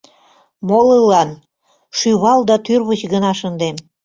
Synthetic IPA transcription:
molɤlɑn | ʃyβɑld̪ɑt̪yrβət͡ɕɣənɑʃənd̪em

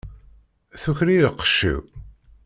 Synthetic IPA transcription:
θuçɾiɾəqːə̥ʃːḭw

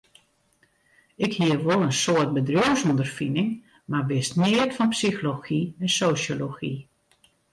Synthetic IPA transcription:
ɪkhiərʋolˠənsoət̚bədrjowsundərfinɪŋ | marʋɪsnɪətfɔnpsixoloxiɛnsoːsjoloxi

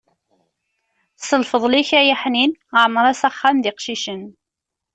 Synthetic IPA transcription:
səlfəðˤliçæjaħninaʕməɾˤæsæχːamðɪqʃiʃən

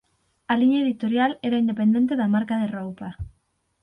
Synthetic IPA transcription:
aliɲaeðit̪oɾjaleɾaind̪epend̪e̞nt̪eðamaɾkaðerowpa

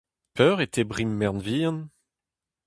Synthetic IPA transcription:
pʰœʁet̪ʰebʁimːɛʁnviːɑ̃n

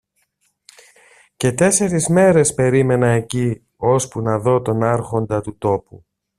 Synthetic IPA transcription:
ce̞t̪e̞se̞ɾizme̞ɾe̞spe̞ɾime̞nɐeci | o̞spunɐðo̞t̪o̞nɐɾxo̞nd̪ɐt̪ut̪o̞pṵ

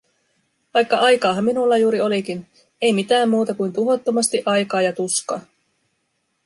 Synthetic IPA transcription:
ʋɑjkːɑʔɑjkɑːɦɑmːinulːɑjuːɾio̞lik̟in | e̞jmit̪æːmːuːt̪ɑkujnt̪uɦo̞t̪ːo̞mɑst̪iʔɑjkɑːjɑt̪uskɑː

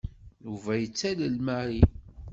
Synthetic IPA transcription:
juvæjət͡sːæləlmæɾi

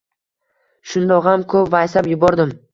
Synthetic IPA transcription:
ʃʊnd̪ɒʁamkʰɵpvajsapjʊbɒɾd̪ɪm

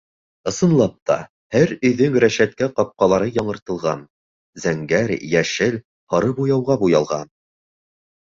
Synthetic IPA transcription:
ɤ̆sɤ̆nlˠɑp̚t̪ɑ̰ | hæɾɵ̆jðɵŋɾæʃæt̪̚kæqɑp̚qɑlˠɑɾɤjɒɴɤ̆ɾt̪ɤ̆lˠʁɑ̰n | zæŋɡæɾjæʃɘl | hɑɾɤbujɑwʁɑbujɑlˠʁɑn

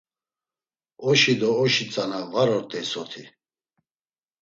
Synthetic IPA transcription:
ɔʃid̪ɔːʃit͡sʼanavaɾɔɾt̪ʼɛsɔt̪ʰi

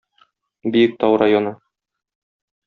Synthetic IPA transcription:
bijɘk̚t̪ɒwɾajonɤ

